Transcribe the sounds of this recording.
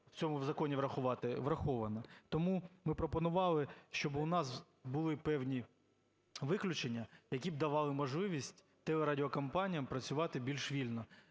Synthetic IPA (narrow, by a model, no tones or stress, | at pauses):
wt͡sʲɔmʊwzɐkɔnʲiʋɾɐxʊʋɑt̪ɪʋɾɐxɔʋɐnɐt̪ɔmumɪpɾɔpɔnʊʋɑlˠɪʃt͡ʃɔbʊnɑs | bʊlˠɪpɛwnʲi | ʋɪklʲʊt͡ʃenʲːɐjɐkʲib̚d̪ɐʋɑlˠɪmɔʒlˠɪʋʲisʲtʲ | t̪ɛlˠɛɾadʲɪɔkɐmpɑnʲijɐmpɾɐt͡sʲʊʋɑt̪ɪbʲilʲʃʋʲilʲnɔ